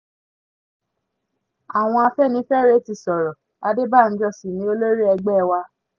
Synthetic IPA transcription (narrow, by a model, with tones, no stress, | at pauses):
a˨w̃ɔ̃˧a˧fɛ˦˨nĩ˨˦fɛ˦˨ɾe˦ti˧˨sɔ˨ɾɔ˨ | a˧de˦ba˦˨n̩˦d͡ʒɔ˦˨si˨nĩ˨˦o˦lo˦ɾi˦ɛ˧ɡ͡bɛ˦˧wa˧